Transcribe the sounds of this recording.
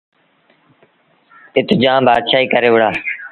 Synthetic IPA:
ɪt̪d͡ʒãːmbaːd̪ʃaːiːkəɾeːʋʊɽaː

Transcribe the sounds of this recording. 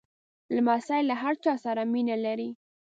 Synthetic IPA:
lamasajlaɦaɾt͡ʃɑsaɾaminalaɾi

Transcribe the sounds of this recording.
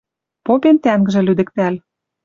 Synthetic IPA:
popent̪æŋɡɘ̆ʒĕlyd̪ɘ̆k̚t̪æl

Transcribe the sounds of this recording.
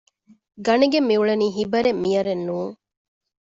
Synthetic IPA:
ɡɐneɡemːiuɭɐniːɦibɐɾemːijɐɾenːuːŋ

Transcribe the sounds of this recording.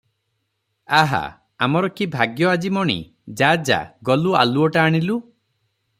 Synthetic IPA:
aɦa̰ | amɔɾɔkibʱaɡjɔad͡ʒimɔɽ̃ḭ | d͡ʒad͡ʒa̰ɡɔlua̰luɔʈaːɽ̃ilu

